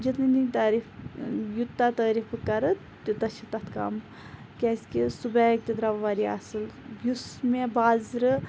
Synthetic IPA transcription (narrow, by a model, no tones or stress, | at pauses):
d͡ʒɐt̪ɨnit̪aːɾifjut̪ːat̪ɐːɾifɨkɐɾɐt̪ | t̪it̪ɐʃit̪ɐt̪ʰkɐ̰m | kʲaːsʲkʲisubɐk̚t̪id̪ɾɐʋʋaːɾiɐ̰sɨlbusmebaːzɾɨ